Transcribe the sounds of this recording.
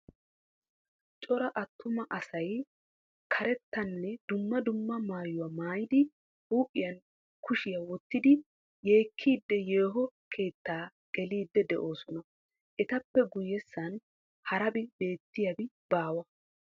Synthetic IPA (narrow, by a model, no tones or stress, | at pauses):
t͡ʃʼɔɾɐʔɐt̪ʰːʊmɐʔɐsɐj | kʰɐɾɛt̪ːɐnːɛd̪̥ʊmːɐd̪ʊmːɐmaːjʊwɐmaːjɪd̪ɪ | uːʔʼɪjɐn | kʊʃɪjɐwɔt̪ːɪd̪ɪ | je̞ːkʰːiːd̪ːɛje̞ːɦɔkʰe̞ːt̪ːaː | ɡ̥ɛliːd̪ːɛd̪ɛʔo̞ːsɔnɐ | ʔɛt̪ɐpːɛɡʊjːɛsːɐn | hɐɾɐbɪbe̞ːt̪ːɪjɐbɪ | b̥aːwɐ